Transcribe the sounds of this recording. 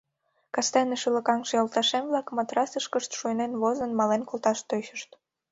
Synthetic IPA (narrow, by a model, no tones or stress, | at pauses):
kɑst̪æneʃylə̆kɑŋʃeolt̪ɑʃemβlɑkmɑt̪ɾɑsəʃkəʃt̪ʃuənenβozənmɑlenkolˠt̪ɑʃt̪øɕəʃt̪